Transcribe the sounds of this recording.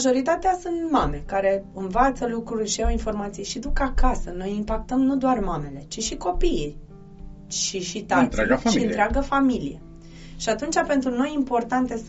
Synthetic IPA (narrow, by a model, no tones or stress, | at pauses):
ʒo̞ɾit̪at̪easunt̪mame̞kaɾe̞ɨnvat̪səlukɾurʲʃiawinfo̞rmat̪sijʃid̪ukakasəno̞jimpakt̪əmnud̪oarmame̞le̞t͡ʃiʃiko̞pi | ʃiʃit̪at̪seloʃiiɨnt̪ɾeaɡəfamilḭje̞̰ | ʃiat̪unt͡ʃape̞nt̪ɾuno̞jimpo̞rt̪ant̪e̞s